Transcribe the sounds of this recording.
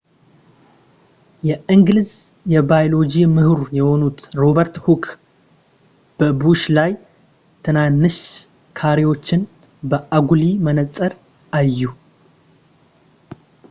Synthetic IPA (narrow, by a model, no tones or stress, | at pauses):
jɛʔɨŋɡlɨz | jɛbajlo̞d͡ʒimɨhɾjɛho̞nut̪ɾo̞bəɾt̪hukʰ | b̥əbuʃlaj | t̪ʰɨnanːɨʃ | kʰaɾewo̞t͡ʃːɪn | bəʔaɡulimənət͡sʼːəɾ | ʔajːu